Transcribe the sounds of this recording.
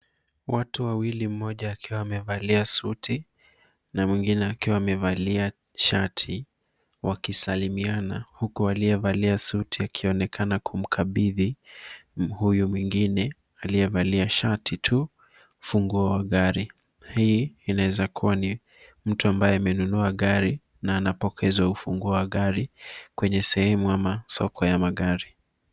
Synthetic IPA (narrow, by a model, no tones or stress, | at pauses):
watuwawilim̩mɔʄaːkʰiwawamɛvaliasutʰi | namwiŋɡinɛakiwamɛvalia | ʃatʰi | wakisalimianahukualijɛvaliasutʰiakʰiɔnɛkʰanakʰum̩kʰaɓiði | hujumwiŋɡinɛ | alijɛvaliaʃatʰitʰu | ufuŋɡuawaɠaɾi | hiːnawɛzakʰuwani | m̩tuambajɛamɛnunuaɠaɾi | naːnapɔkʰɛzwaufuŋɡuawaɠaɾikwɛɲɛsɛhɛmuamasɔ̰kʰɔjamaɠaɾi